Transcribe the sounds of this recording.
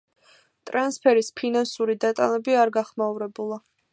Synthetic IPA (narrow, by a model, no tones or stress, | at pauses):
t̪ʼɾanspʰɛɾispʰinansuɾid̪at̪ʼa̰nɛbiaɾɡaχmauɾɛbulˠa